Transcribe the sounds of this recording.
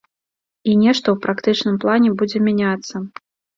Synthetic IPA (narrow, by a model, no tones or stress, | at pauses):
inʲɛʂt̪ɔwpɾakt̪ɨt͡ʂnɨmplˠanʲɛbud͡zʲɛmʲanʲat̪sːɐ